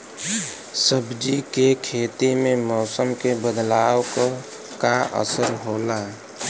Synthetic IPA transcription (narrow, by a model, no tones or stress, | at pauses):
səbd͡ʒikekʰet̪imemɔːsəmkebəd̪lawkə | kaʔə̰səɾɦola